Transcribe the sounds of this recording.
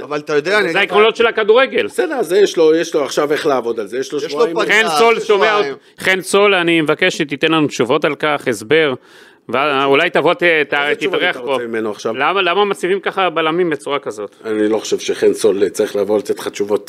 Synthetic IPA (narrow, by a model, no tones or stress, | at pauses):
avalt̪ajod̪eazeaikʁonlo̞t̪ʃe̞lakad̪uʁeɡe̞lsed̪eʁazejeʃlojeʃloaχʃaveχlaavo̞d̪alzejeʃloʃimχensolʃomeao | χenso̞lanimevakeʃʃet̪it̪enlanut̪ʃuvo̞talkaχesbe̞ʁ | veaulajt̪avo̞t̪t̪at̪ivaʁeaχbomimenoaχʃavlamalamamat͡sivimkaχabalamimbe̞t͡suʁakazo̞t̪aniloχo̥ʃevʃeχensolt͡saʁiχlaːvolat̪et̪χat͡ʃuvo̞t̪